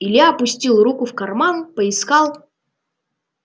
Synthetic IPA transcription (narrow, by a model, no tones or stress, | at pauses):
ɪlʲjaɐpʊsʲtʲilˠrukʊfkɐrmanpəɪskalˠ